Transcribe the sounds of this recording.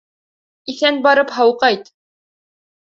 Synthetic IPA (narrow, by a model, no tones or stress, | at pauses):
iθænbɑɾɤpɦɑwqɑjt̪